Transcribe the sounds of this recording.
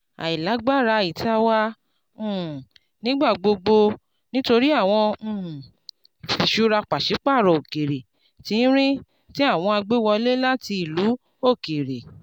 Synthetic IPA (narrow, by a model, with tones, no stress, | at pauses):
a̰˨i˨la˨˦ɡ͡ba˦˨ɾa˧i˨ta˧wã˦˨ | nĩ˦ɡ͡ba˦˨ɡ͡bo˧ɡ͡bo˧ | nĩ˦to˧ɾi˦a˦˨w̃ɔ̃˧˨ | fi˨ʃu˦ɾa˧k͡pa˨ʃe˨˦k͡pa˦˨ɾɔ˨o˨ke˨ɾe˨ | ti˨˦n̩˦ɾ̃ĩ˦ | ti˦a˦˨w̃ɔ̃˧a˧ɡ͡be˦wɔ˧le˦la˦ti˧i˨lu˨˦ | o˦˨ke˨ɾe˨